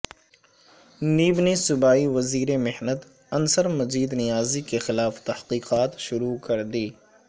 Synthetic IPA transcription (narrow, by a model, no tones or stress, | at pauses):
niːbnisʊbaːiʋɐziːɾemɪhnət̪ | ɐnsəɾmɐziːd̪nɪjaːzikexɪlaːft̪ɐhqiːqaːt̪ʃʊɾukɐɾd̪iː